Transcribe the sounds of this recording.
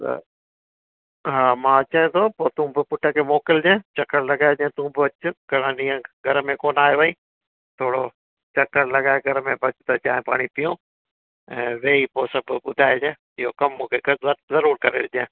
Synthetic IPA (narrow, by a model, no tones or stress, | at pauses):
t̪ɐ̰ | ɦãːmãːt͡ʃaẽt̪ʰoːpoːt̪ũːbɪpʊʈʰəkʰemɔːkɪld͡ʒẽːt͡ʃɐkːəɾlɐɡaːed͡ʒẽːt̪ũːbɪɐt͡ʃʊɡɐɽə̃ɗĩːə̃ɡʱɐɾmẽkoːnaːɦjoʋĩː | t̪ʰoːɽo | t͡ʃɐkːəɾlɐɡaːeɡʱɐɾmẽbɐt͡ʃt̪ɐt͡ʃaːɦẽpa̰ːɽ̃ipijõː | ɛ̃ːʋeːipoːsɐbʊd̪ʱaːed͡ʒẽː | ɪɦokɐmːũːkʰekəɐzɐɾuːɾkɐɾḛːd͡ʒẽː